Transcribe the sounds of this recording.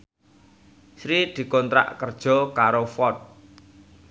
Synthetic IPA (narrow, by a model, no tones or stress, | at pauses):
sɾid̪̥i̤kɔnt̪ɾa̰ʔkərd̥ʒ̥ɔ̤kaɾofɔt̪̚